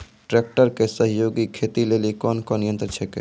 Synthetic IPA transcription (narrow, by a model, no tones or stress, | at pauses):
ʈɾek̚ʈəɾkesəɦijoɡikʰet̪ilelikɔnkɔnijənt̪ɾət͡ʃʰɛkḛ